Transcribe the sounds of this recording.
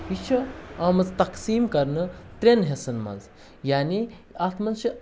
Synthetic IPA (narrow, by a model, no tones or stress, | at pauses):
it͡ʃʰɐaːmɐt͡st̪ɐksiːmkɐɾnɨt̪ɾenɦesɐnmɐ̰z | jaːni | aːt̪mɐnt͡ʃʰi